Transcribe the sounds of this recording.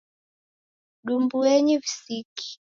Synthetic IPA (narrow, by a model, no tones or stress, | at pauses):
ɗumbuɛɲivisiki̥